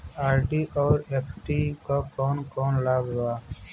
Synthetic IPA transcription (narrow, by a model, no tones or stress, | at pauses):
aːɾʈiːʔɔːɾeːpʰʈiːkakɔːnkɔːnlaːbɾaː